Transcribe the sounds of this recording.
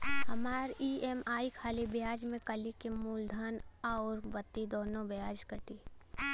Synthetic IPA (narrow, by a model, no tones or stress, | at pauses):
ɦɐmaːɾiemaːikʰaːlibɪjaːd͡ʒmẽkəlikemuːld̪ʱənɔːɾbɐt̪ːid̪oːnõbjaːd͡ʒkəʈ̪iː